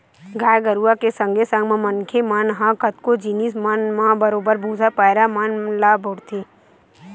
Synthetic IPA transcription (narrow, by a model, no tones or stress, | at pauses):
ɡaːjɡəɾuakesə̃ŋɡʱesɐ̃ŋɡmãmɐnkʰemanɦãkət̪kod͡ʒiːnismənmãbəɾoːbəɾbʱũːzapaːjɾamənlaːbʱoɽt̪i